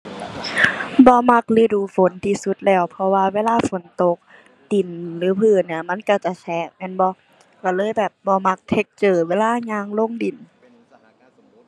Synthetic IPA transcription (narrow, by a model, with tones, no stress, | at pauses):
bɔː˧˦ma˧k̚lɯː˧˦duː˧˦fo˨˦nt̪ʰiː˧su˧˦t̪̚lɛː˧˩wpʰɔ˧waː˧˨weː˧˥˨laː˧˥˨fo˨˦nt̪o˧˦k̚ | t̪i˨˩nlɯː˨˦pʰɯː˧˩ni˧˩ɐma˧˥˨nka˧˩t͡ɕa˧˩sʰɛː˧˩k̚mɛː˧˥˨nbɔ˧ | ka˧˩lɤː˧˥˨jbɛː˨˩p̚bɔː˧˦ma˧˥k̚t̪ʰe˧k̚t͡ɕɤː˨˩weː˧˥˨laː˧˥˨ɲaː˧˨ŋlo˧˥˨ŋdi˨˩n